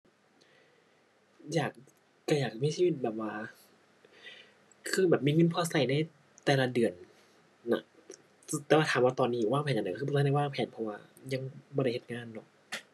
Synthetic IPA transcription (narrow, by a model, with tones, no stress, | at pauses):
jaː˨˩k̚ː | a˧˩jaː˨˩k̚miː˧˥˨siː˧˥˨i˧˩t̪̚bɛː˨˩p̚waː˧ | kʰɯː˧˩bɛː˨˩p̚miː˧˥˨ŋɯ˧˥˨npʰɔː˧˩sa˨˧˩jna˧˥˩j | t̪ɛː˨˧˩la˧dɯ˨˩ən | na̰˧˩˧ | t̪ɛː˨˩wa˧t̪ʰaː˨˦mwaː˧t̪ɔː˧nːiː˧˨˩waː˥˩pʰɛː˨˩nʔʰɯː˧˩˧a˧˩waː˥˩ŋpʰɛː˨˩npʰɔ˧waː˧ɲa˧˥˨ŋbɔː˧ɾa˧˩˨he˨˧t̪̚ŋaː˧˥˨nːɔ˧˦k̚